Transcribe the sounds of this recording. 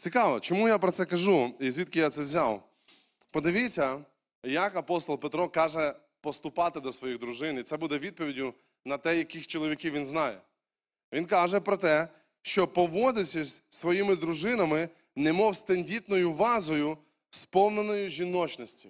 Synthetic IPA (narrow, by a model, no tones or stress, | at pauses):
t͡sʲikɑʋɔt͡ʃɔmujapɾɔt̪sɛkɐʒuizʲʋʲit̪kɪjat̪sɛwzʲaw | pɔd̪ɪʋʲit͡sʲɐ | jɐkɐpɔst̪ɔlˠpet̪ɾɔkɑʒɛ | pɔst̪ʊpɑt̪ɪd̪ɔsʋɔjiɣd̪ɾʊʒɪnit̪sɛbud̪ɛʋʲid̪̚pɔʋʲidʲʊ | nɐt̪ɛjɐkɪxt͡ʃɔlˠɔʋʲikʲiwʋʲinznɑjɛ̰ | ʋinkɑʒɛpɾɔt̪ɛ | ʃt͡ʃɔpɔʋɔd̪ɪsʲɐsʲsʋɔjimɪd̪ɾʊʒɪnɐmɪ | nɛmɔwst̪ɐnʲdʲit̪nɔjʊʋɑzɔjʊ | spɔwnenɔjʊʒʲinɔt͡ʃnɔsʲtʲi̥